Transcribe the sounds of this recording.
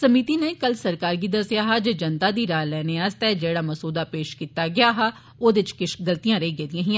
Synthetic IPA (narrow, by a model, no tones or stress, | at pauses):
səmiːt̪iːneːkəlsəɾkaːɾɡiːd̪əsɪjaːɦaːd͡ʒeːd͡ʒənt̪aːd̪iːɾaːlɛːneːaːst̪aɛːd͡ʒeːɽaːməsoːd̪aːpeːʃkiːt̪aːɡɪjaːɦaː | oːd̪ɪɪt͡ʃkɪʃɡəlt̪ijãːɾeiɡeːd̪ijãːɦiːã